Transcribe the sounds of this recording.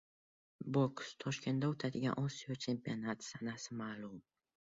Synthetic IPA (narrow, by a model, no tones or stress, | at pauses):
bokst̪ʰɒʃkʲe̞nd̪aot̪ʰad̪ɪɡʲanʔɒsijɒt͡ʃʰe̞mpionat̪ʰsanasɪmaːlum